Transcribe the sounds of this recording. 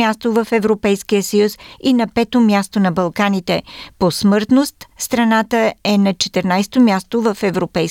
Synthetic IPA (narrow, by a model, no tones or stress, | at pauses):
ast̪ovəfɛvɾopɛjskijəsəjusinɐpɛt̪omʲjast̪onɐbɐlˠkanit̪ɛposmɤɾt̪nost̪st̪ɾɐnat̪əɛnɐt͡ʃɛt̪ɛɾnajst̪omʲjast̪ovəfɛvɾopɛj